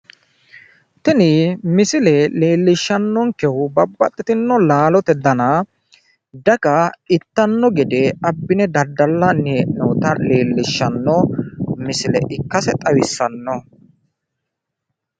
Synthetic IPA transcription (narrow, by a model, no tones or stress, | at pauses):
t̪ɛnɪmɪsɪlɛleːlːɪʃːɐnːɔŋkɛhʊbɐbːɐ̰t̪ʼːɪt̪ɪnːɔlaːlɔt̪ɛd̪ɐnɐ | d̪ɐɡɐɪt̪ːɐnːɔɡɛd̪ɛɐbːɪnɛd̪ɐd̪ːɐlːɐneːnɔt̪ɐleːlːɪʃːɐnːɔmɪsɪlɛ̰ʔɪkːɐsɛt̪ʼɐwɪsːɐnːɔ